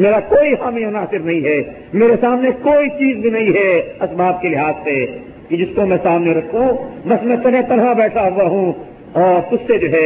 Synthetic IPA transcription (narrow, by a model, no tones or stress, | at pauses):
meːɾakoːiɦaːmẽʊnaːsɪɾnɐɦĩɦɛː | meːɾesaːmnekoːit͡ʃiːzbʱinɐɦĩɦɛɐsbʱaːb̚kelɪɦaːzse | kid͡ʒɪskomɛ̃ːsaːmneɾɐkʰũbɐsmɛ̃t̪ɐnɦẽt̪ɐnɦãbɛːʈʰaɦʊwaɦũ | ɔːɾʊsːed͡ʒoːɦɛː